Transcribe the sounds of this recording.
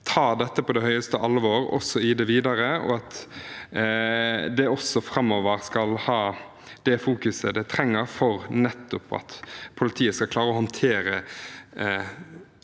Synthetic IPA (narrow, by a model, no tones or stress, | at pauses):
t̪ʰɑːd̪ɛt̪ːəpʰɔd̪ɛhœʏəst̪əʔɑlʋoːɾɔ̰sːɔɪd̪ɛʋiːd̪ɑɾəɔ̰ɑt̪ | d̪ɛɔsɔfɾɑmːoːʋəɾskɑlhɑː | d̪̥ɛfuːkʉsəd̪ɛt̪ʰɾɛŋːəɾfɔɾnɛt̪ːʊpɑ̰t̪pʰʊlɪt̪ʰiːəskɑkʰlɑːɾəɔhɑnt̪ʰeːɾə